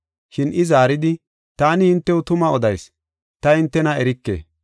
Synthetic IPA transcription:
ʃɪnʔɪzaːɾɪd̪ɪ | t̪aːnɪɪnt̪ːɛwʊt̪ʊmɐɔd̪ɐjs | t̪ɐɪnt̪ːɛnɐɛɾɪkːḛː

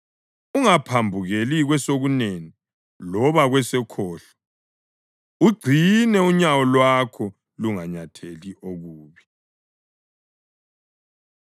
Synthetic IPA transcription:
uŋapʰambʱuɣeliɣwɛsoɣuneni | lɔβaɣwɛsɛkʰɔːɬɔ̥ | uɡ͡ǀʱinɛuɲawɔlwakʰɔ | luŋaɲatʰeliʔoɣuːβi

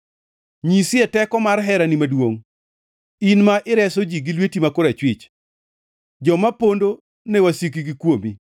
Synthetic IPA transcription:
ɲisɪɛtɛkɔmarɦɛɾanimadwoŋ | inmaʔɪɾɛsod͡ʒiɡilwetimakoɾɛt͡ʃwɪt͡ʃ | d͡ʒɔmapondo | newasik̬iɡikwomi

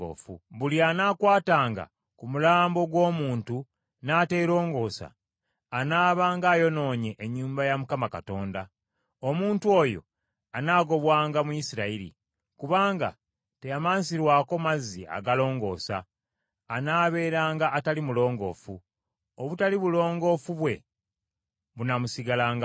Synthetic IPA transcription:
o̰fṵβulianakwaːtaːŋɡa̰ | kumulaːmbo̞ɡwo̞ːmuːntu | naːte̞ːɾo̞ːŋɡo̞ːsa̰ː | naːβaːŋɡaːjo̞no̞ːɲeʔeɲːuːmbajamukamakato̞ːnda | o̞muːntuo̞jo̞̰ | anaːɡo̞βwaːŋɡamuisiɾaiɾḭ | kuβaːŋɡa̰ | te̞jamaːnsiɾwaːko̞mazia̰ɡalo̞ːŋɡo̞̰ːsa̰ː | naːβe̞ːɾaːŋɡaʔːtalimulo̞ːŋɡo̞̰ːfu | oβutaliβulo̞ːŋɡo̞fuβwe̞ | βunamusiɡalaːŋɡa

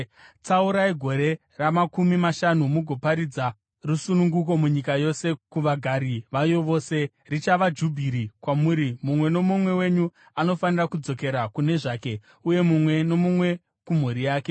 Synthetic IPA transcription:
t͡sauɾaiɡʱo̞ɾe̞ | ramakumimaʃanumuɡʱo̞paɾid͡za | rusunuŋɡuko̞muɲikajo̞se̞kuʋaɡʱaɾiʋajo̞ʋo̞ːse̞ | rit͡ʃaʋad͡ʒubʱiɾikwamuːɾimumwe̞no̞mumwe̞we̞ɲu | ano̞fanirakud͡zo̞ke̞ɾakune̞ʐaːke̞ | uje̞mumwe̞no̞mumwe̞ | kum̤uɾijaːke

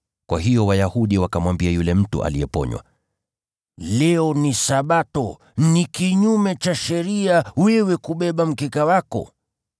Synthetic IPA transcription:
kwaɦijɔwajahuɗiwakamwambiajulɛm̩tṵʔa̰liɛpɔ̰ɲwa̰ | lɛɔnisaɓatɔ | nikiɲumɛt͡ʃaʃɛɾiawɛwɛkuɓɛɓam̩kikawakɔ̰

